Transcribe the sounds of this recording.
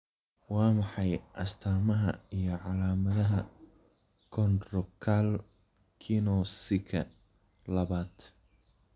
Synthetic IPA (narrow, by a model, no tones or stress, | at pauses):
wɑːmɑħɑjʔɐ̰st̪ʰaːmɐɦɐ̰ijɞʕɑlaːmɐðɐɦɐ | kʰɔnrɔkʰal | kʰinɔsɪkʰɐ̰ | lɐβaːd̪̥